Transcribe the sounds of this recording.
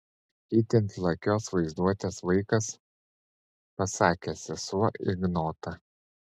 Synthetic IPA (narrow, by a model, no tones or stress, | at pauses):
iːt̪ʲɪnʲt̪lˠɐkʲoːsʋɐɪzd̪uɔt̪ʲeːsʋɐɪkɐs | pɐsɑːkʲeːsʲɪsuɔɪɡnoːt̪ɐ